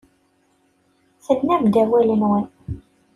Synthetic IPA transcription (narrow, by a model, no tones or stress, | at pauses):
θəlnævd̪æwælənwən